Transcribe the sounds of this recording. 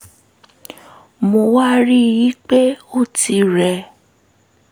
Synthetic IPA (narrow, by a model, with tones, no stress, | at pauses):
mo˧wa˦ɾi˦ji˨˦k͡pe˦o˦˨ti˧ɾɛ˧